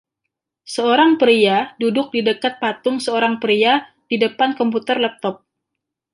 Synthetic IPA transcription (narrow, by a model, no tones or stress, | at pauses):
səoɾaŋpəɾiadudʊk̚didəkat̪̚pat̪ʊŋsəoɾaŋpɾia | didəpankɔmput̪ərlɛp̚t̪ɔp̚